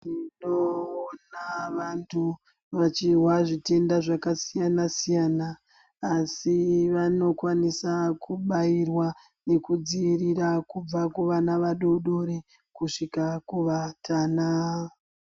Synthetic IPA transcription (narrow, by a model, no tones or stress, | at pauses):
inoːnaʋantʰu | ʋat͡ʃiɦwaʐite̞ndaʐakasijanasijanaː | siʋano̞kwanisakuɓajirwa | ne̞kud͡ziiriɾakub͡vakuʋanaʋaɗo̞ɗo̞ɾe | kuʂikakuʋatʰana